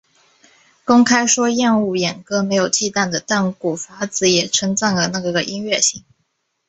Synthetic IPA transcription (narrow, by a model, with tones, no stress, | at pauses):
kʊ˥ŋkʰa˥ɪʂwɔ˥jɛ˥˧nu˥˩jɛ˨˩nkɤ˥me˧˥ɪjo˨˩ʊt͡ɕi˥˧t̪a˥˩nd̪ə˩t̪a˥˩nku˨˩fa˧˥t͡sɹ̩˨˧˥jɛ˨˩ʈ͡ʂʰɤ˧˥ŋt͡sa˥˩ŋlə˨˩na˥˩˧ɡə˨˩ʔi˥nɥɛ˥˧ɕi˥˩ŋ